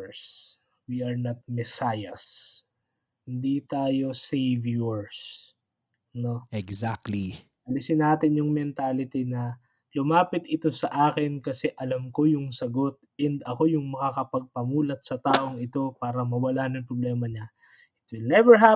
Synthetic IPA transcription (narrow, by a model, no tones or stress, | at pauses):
s | wiɐɹnɐt̪̚mɛsajɐs | hɪnd̪it̪aːjo̞sejvjuɹs | no̞ɛɡzak̚t̪li | ʔɐlɪsɪnaːt̪ɪnjʊŋmɛnt̪alɪt̪inɐ | lʊmaːpɪt̪ʔɪt̪o̞sɐʔaːkɪnkɐsɛʔɐlɐmko̞jʊŋsɐɡo̞t̪̚ɛnd̪ɐko̞jʊŋmɐŋakɐpɐɡ̚pɐmuːlɐt̪̚sɐt̪aːʔo̞ŋɪt̪o̞paːɾɐmɐwɐlanɐŋpɾoblɛːmɐɲa | ʔɪt̪̚wɪlnɛvɛɹɦa